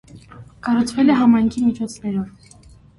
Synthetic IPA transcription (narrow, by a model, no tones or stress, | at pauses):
kɑrut͡sʰvɛlɛɦɑmɑjŋkʰimit͡ʃʰɔt͡sʰnɛɾɔv